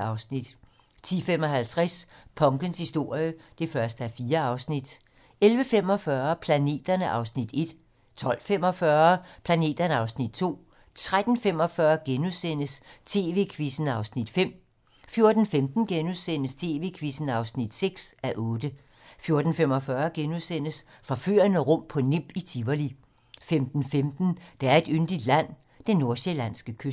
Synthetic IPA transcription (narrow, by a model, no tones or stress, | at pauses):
ɑ̈ʊsnid̥ | t͡sʰḭːfem̰ɒ̽ɦælt͡sʰʁaspʰɒ̽ŋɡ̥ənshisd̥o̝ɐ̰jəd̥e̝fɶɐsd̥əæɐfiːɐɑ̈ʊsnid̥ | elʋəfem̰ɒ̽fɶɐpʰlæne̝̰ːd̥ɐnəʔɑ̈ʊsnid̥e̝d̥ | t͡sʰɒ̽l̰fem̰ɒ̽fɶɐpʰlæne̝̰ːd̥ɐnəɑ̈ʊsnid̥̚t͡sʰo̝̰ː | t͡sʰʁad̥n̩fem̰ɒ̽fɶɐɡ̥enusen̰əst͡sʰe̝̰ːʋe̝̰ːkʰʋisn̩ɑ̈ʊsnid̥fem̰ | fjo̝ɐd̥n̩femd̥n̩ɡ̥enusen̰əst͡sʰe̝ːʋe̝̰ːkʰʋisn̩ɑ̈ʊsnid̥seɡ̥sæʔɔːd̥ə | fjo̝ɐd̥n̩fem̰ɒfɶɐɡ̥enusen̰əsfɒfy̰ɐnəʁɔ̽m̰pʰɒ̽nem̰b̥it͡sʰiʋɐli | femd̥n̩femd̥n̩d̥eæɐe̝d̥ønd̥id̥læn̰ | d̥enːo̝ɐselæn̰sɡ̥əkʰø